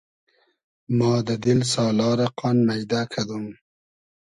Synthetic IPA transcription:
mɑːd̪əd̪ɪlsɑːlɑːɾaqʰɑnmajd̪akʰad̪um

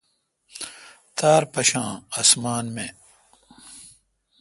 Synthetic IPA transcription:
t̪aːɾpɐɕãːasmaːnme

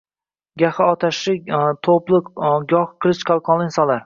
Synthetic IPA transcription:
ɡʲahaɒt̪ʰaʃɪt̪ʰoplˠɪɡɒhqʰɨlɪʃqʰɑlˠqʰɒnlˠɪɪnsɒnlaɾ

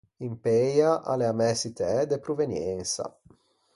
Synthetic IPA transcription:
impejaʔa̰leamɛsit̪eɛd̪epɾovenjɛnsa̰

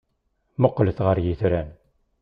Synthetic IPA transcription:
mʊqːləθʁəɾjiθɾæn

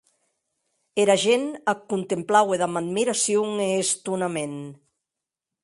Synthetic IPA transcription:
eɾaʒenakunt̪emplaweðamad̪miɾasjoŋeːst̪unamen

